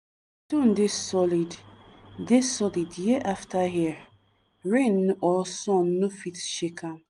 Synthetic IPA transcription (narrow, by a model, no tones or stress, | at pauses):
tũn̩desɔliddesɔlidjiʔaftaɦi | ɹẽnːʔɔsɔ̃nːofitʃekʰãn